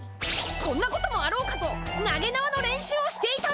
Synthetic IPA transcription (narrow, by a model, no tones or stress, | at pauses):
kõ̞nːako̞t̪o̞mo̞aɾo̞ːkat̪o̞naɡe̞naβano̞ɾẽ̞ɰ̃ɕɨːoɕi̥t̪e̞it̪a